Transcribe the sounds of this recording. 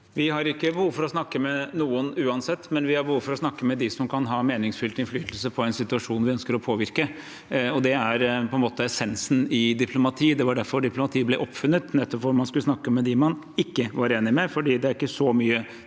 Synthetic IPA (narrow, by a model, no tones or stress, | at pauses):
ʋɪhɑɾɪkːəbəhuːʋfɔɾɔsnɑkːəmɛnuːənʉːɑnsɛt̪ːmɛnʋɪhɑɾbəhuːʋfɔɾɔsnɑkːəmɛd̪ɪsɔmkʰɑnɦɑːmeːnɪŋsfʉlt̪ɪnflyːt̪əlsəpʰɔɛɪnsɪt̪ʉɑʂuːnʋɪœnskəɾɔpʰoːʋɪɾkə | ɔd̪ɛæɾpʰɔɛnmoːt̪əɛsɛnsn̩ɪd̪ɪpʰlʊmɑt̪ʰiːd̪ɛʋɑɖæɾfɔɾɖɪplʊmɑt̪ʰiːblɛʔɔpːfʉnːət̪nɛt̪ːɔpfɔɾmɑnskʉləsnɑkːəmɛd̪ɪmɑn | ɪkːəʋɑɾeːnɪmɛfɔɖiːd̪ɛæɾɪkːəsɔmyːə